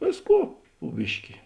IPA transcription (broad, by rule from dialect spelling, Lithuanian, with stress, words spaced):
ˈʋʲeːsˌkuː pʊ ˈbʲɪʃʲkʲɪ